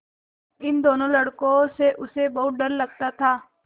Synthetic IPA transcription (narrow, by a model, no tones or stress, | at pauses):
ɪnd̪oːnõlɐɽkõseʔʊsebɐɦʊt̪̚ɖɐɾlɐɡ̚t̪at̪ʰaː